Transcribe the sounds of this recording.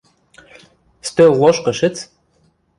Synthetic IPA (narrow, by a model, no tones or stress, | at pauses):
st̪ølːˠoʃkɤ̆ʃɘ̆t͡s